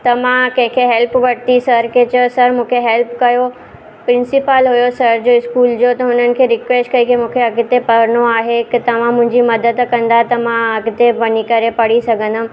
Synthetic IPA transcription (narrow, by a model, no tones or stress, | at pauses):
t̪ɐmãkɐ̃ɦɪ̃kʰeɦɛlpʋɐɽt̪isɐɾket͡ɕəsɐɾmũːkʰeɦɛlpkɐjo | pɾɪ̃nsɪpəlɦʊjosɐɾd͡ʑoːɪskuːld͡ʑot̪ɐɦʊnənɪ̆kʰeːɾɪkʋeːsʈkɐikʰemũːkʰeɐɡɪt̪epɐɾnoaːɦekt̪ɐʋ̤ãmʊ̃ɦɪ̃ɲd͡ʑimɐd̪əd̪kɐ̃nd̪aɦt̪ɐmãɐɡɪt̪eʋɐnikɐɾepɐɽ̤isɐɡʱə̃nd̪ʊm